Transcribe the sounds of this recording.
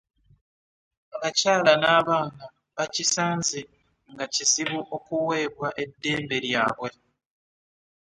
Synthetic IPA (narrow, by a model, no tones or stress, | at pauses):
akacaːlanaːβaːna | βacisaːnzi | ŋɡacisiβuʔo̞kuwe̞ːβwaʔe̞dːe̞ːmbe̞ɾjaːβwe̞